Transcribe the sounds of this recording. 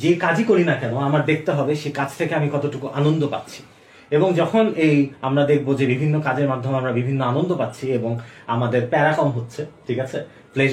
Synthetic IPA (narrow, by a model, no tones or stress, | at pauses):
d͡ʑekad͡ʑikoɾinakɛnoamaɾd̪ekʰt̪eɦɔbeʃekad͡ʑʰt̪ʰekeamikɔt̪oʈukuʔanond̪opa̰t̪ːɕʰi̥ | eboŋd͡ʑɔkʰonejamɾad̪ek̚ʰbod͡ʑebibʱinːokad͡ʑeɾmad̪ʱːomeamɾabibʱinːoanond̪opatːɕʰieboŋa̰mad̪eɾpɛɾakɔmɦotːɕʰeʈʰikat͡ɕʰe | ple